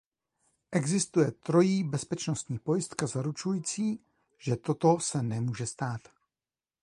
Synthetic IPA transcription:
ʔɛɡzɪst̪ujɛt̪ɾo̞jiːbɛspɛt͡ʃnost̪ɲiːpo̞jɪst̪kazaɾut͡ʃujiːt͡siː | ʒ̥ɛt̪o̞t̪o̞sɛnɛmuːʒɛst̪aːt̪

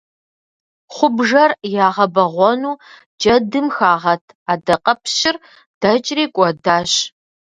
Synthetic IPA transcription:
χʷʊbʒɐrjaːʁɐbɐʁʷɔnuː | d͡ʒʼɐdɨmxaːʁɐtʰ | aːdɐqʼɐpʰɕɪr | d̥ɐt͡ʃʼreːkʷʼɔdaːɕ

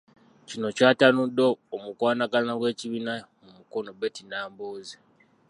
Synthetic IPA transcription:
cino̞caːtanudːoːmukwaːnaɡanaɡwe̞ːciβiːna | mumuko̞no̞betinaːmboːze

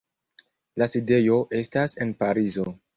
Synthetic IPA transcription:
laside̞jo̞ʔe̞stase̞npaɾizo̞

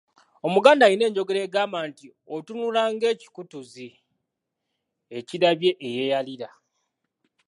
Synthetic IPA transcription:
o̞muɡaːndaːjine̞ːɲɟo̞ɡe̞ɾe̞ːɡaːmaːnti | o̞tunulaːŋɡe̞ːci̥kutuzi | eciɾaβje̞ʔeje̞jaliɾa

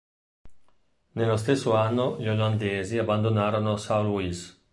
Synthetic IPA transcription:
nelːost̪esːoanːoʎoland̪eːziabːand̪onaːɾonosawluiz

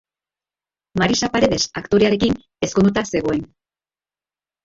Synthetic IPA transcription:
maɾisapaɾe̞ðe̞sakt̪o̞ɾe̞aɾe̞kin | e̞skond̪ut̪ase̞ɣ̞o̞e̞n

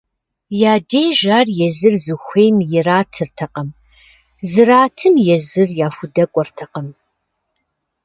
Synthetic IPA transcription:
jaːdeːjʒaːrjɛzɨrzɨxʷeːjmjɪraːtʰɨrtʰɐqɐm | zɨraːtʰɨmjɛzɨrjaːfʷʊdɐkʷʼɔrtʰɐqɐm

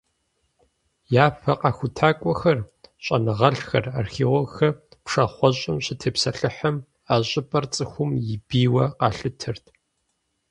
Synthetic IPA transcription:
jaːpʰɐqɑːxʷʊtʰaːkʷʼɔxɐrɕʷʼɐnɨʁɐɬxɐraːrxeːwɔxɐpʂɐχʷɔɕʼɪmɕɪtʰɐpsɐɬɨħɐm | aːɕʼɪpʼɐrt͡sʼɨxʷʊmjɪbiːwɐqɑːɬɨtʰɨrtʰ

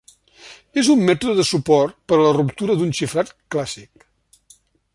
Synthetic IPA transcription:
ezumːɛt̪uðəðəsupɔrt̪pəɾələrupt̪uɾəd̪unʃifɾat̪klasik

